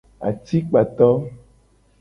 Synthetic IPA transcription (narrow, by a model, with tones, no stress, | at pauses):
a̰˨t̪i˦k͡pa˨t̪ɔ˦